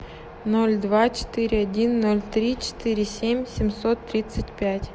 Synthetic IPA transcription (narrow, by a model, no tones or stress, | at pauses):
nolʲd̪vat͡ɕɪ̥t̪ɨɾʲɪɐdʲinːolʲt̪ɾʲit͡ɕɪ̥t̪ɨɾʲɪsʲemʲsʲɪmʲsot̪ːɾʲit̪sətʲpʲætʲ